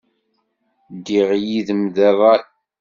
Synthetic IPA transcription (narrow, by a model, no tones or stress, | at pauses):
d̪iʁjiðəmðærˤɑ